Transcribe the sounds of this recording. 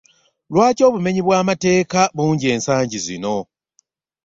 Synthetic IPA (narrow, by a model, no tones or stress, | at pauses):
lwaːco̞ːβume̞ɲiβwaːmate̞ːkaβuːɲɟie̞ːnsaːɲɟizḭno̞